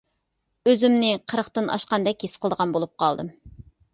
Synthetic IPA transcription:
øzymnɪqʰəɾəχt̪ɨnɑ̰ʃqɑnd̪ɛkʲjesqʰlˠd̪əʁɑnbolˠup̚qɑlˠd̪ɨ̰m

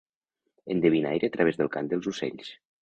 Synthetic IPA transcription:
ə̰nd̪əβina̰jɾeət̪ɾəβezðəlˠkand̪əlˠzusḛʎs

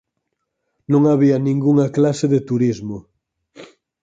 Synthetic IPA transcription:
nõŋaβiɐnĩŋɡuŋɐklaseðet̪uɾizmo

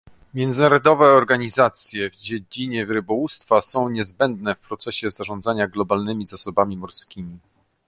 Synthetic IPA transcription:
mʲjɛnzɘnaɾɔd̪ɔvɛɔɾɡaɲizat̪sʲjɛvd͡ʑed͡ʑiɲɛvɾɘbɔwust̪fasɔ̃w̃ɲɛzbɛnd̪nɛfpɾɔt̪sɛɕɛzaʐɔ̃nd̪zaɲaɡlɔbalnɘmʲizasɔbamʲimɔɾskʲimʲi

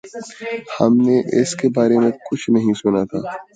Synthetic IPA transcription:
hɐmneʔɪskebaːɾemẽkʊt͡ʃʰnɐɦĩsʊnat̪ʰa̰ː

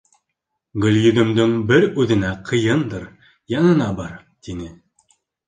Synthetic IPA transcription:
ɡɵ̆lʲjɵ̆d̪ɘ̆md̪ɵŋbɘɾʉðɘ̆næqʰɤ̆jɤnd̪ɤɾ | jɑnɤ̆nɑbɑɾ | t̪inɘ

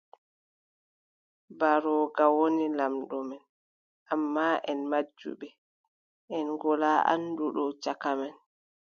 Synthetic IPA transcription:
baɾɔɡawonilamɗɔmɛn | ʔamːaːʔɛnmad͡ʒːṵɓɛ | ʔɛnɡɔlaʔa̰nduɗɔt͡ʃakamɛn

